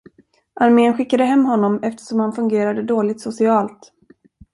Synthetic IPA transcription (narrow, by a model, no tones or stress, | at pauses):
ʔaɾmeːənɧɪkːad̪əɦɛmːɦɔnːɔmɛft̪ə̥ʂɔmhanfɵŋɡeːɾad̪əd̪oːlɪt̪sʊsɪɑːlt̪